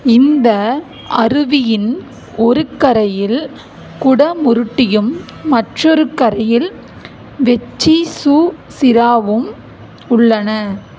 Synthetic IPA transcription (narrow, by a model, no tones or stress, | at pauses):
ɪnd̪ɐ | ɐrɯʋɪjɪn | ɔɾɯkːɐɾɐjɪl | kʊɽɐmʊɾɯʈːɪjɯmː | ɐʈrɔɾɯkɐɾɐjɪl | ʋɛt͡ʃːisuː | sɪɾaːʋɯm | ʊɭːɐnɐ